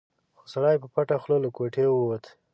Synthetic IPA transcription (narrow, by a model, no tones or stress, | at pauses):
xosaɽajpəpaʈaxlolakoʈʰewot̪